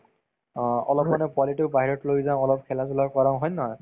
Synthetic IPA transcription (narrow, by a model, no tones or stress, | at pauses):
ɔlɔp̚manɛpwalitikbaɦiɹɔtlojzãʊ̃ɔlɔp̚kʰɛlazulakɔɹãʊ̃ɦɔjnɔɦɔj